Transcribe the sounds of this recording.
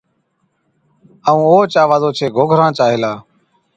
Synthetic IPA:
əːũːoːt͡ʃaːʋaːzoːt͡ʃʰeːɡoːɡʱɾãːt͡ʃaːɦeːlaː

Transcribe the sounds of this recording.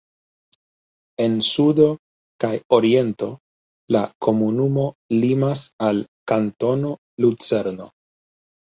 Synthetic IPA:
e̞nsudo̞ | kajo̞ɾie̞nto̞ | lako̞munumo̞limasalkanto̞no̞ | lut͡se̞ɾno̞̰

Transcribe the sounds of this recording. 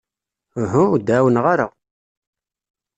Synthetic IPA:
ɦud̪aːwənʁaɾəʁ

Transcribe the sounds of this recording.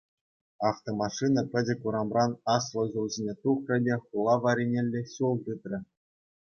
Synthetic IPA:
ɑft̪omɑʂɨnɑpʲɘ̆dʲɘ̆kuɾɑmrɑnɑslˠŏʑulˠzʲenʲet̪uχrʲɘ̆dʲeχulˠɑʋɑɾʲenʲelʲːeɕulˠt̪ɯt̪rʲɘ̆

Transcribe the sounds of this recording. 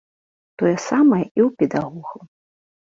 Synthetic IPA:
t̪ɔjɛsamɐjɛiwpʲɛd̪aɣɔɣˠɐ

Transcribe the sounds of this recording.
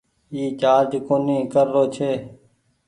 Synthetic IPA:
iːt͡ʃaːɾd͡ʒkoːnĩːkəɾːoːt͡ʃʰeː

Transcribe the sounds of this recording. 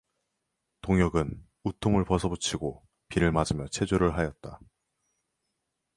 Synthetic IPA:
toŋjʌɡɯn | utʰoŋɯɭpʌsʰʌbut͡ɕʰiɡo | piɾɯɭmad͡ʑɯmjʌt͡ɕʰe̞d͡ʑoɾɯɭɦajʌt̚t͈a

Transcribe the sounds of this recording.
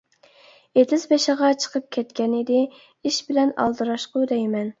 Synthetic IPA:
et̪ɪzbeʃəʁɑt͡ʃʰə̥qʰəp̚kʲʰɛt̪kʲɛnɪd̪ɪ | iʃbɪlɛnɑ̰lˠd̪ɨɾɑʃqʊd̪ɛjmɛn

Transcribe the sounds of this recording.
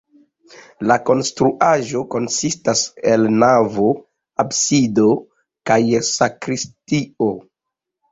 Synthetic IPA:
lako̞nstɾuʔaʒo̞ko̞nsistase̞lnavo̞ | absido̞ | kajsakɾistio̞

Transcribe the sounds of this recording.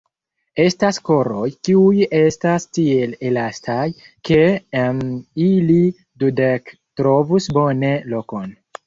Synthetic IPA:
e̞stasko̞ɾo̞jkiuje̞stastie̞lelastaj | ke̞mili | dudek | tɾo̞vusbo̞ne̞lo̞ko̞n

